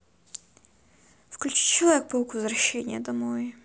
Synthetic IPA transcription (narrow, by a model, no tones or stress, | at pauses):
fklʲʉt͡ɕi̥t͡ɕɪlˠʲɛk̚polˠkʊvzrɐɕːenʲɪjəd̪ɐmoj